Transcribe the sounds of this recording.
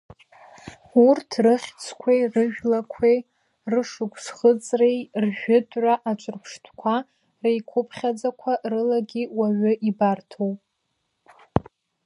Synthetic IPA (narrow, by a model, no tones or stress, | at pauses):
urtʰrɨχʲt͡sʰkʷʰejrɨʒᶣlakʷʰe | rɨʂɨkʷʰʼsχət͡sʼrejrʒᶣʊdʼʕʷaʔat͡ʃʷʼɨrpʷʰʂtʰkʷʰa | rejkʷʰʊpʰχʲad͡zakʷʰarɨlaɡʲiwaɥʊʔibartʰowpʼ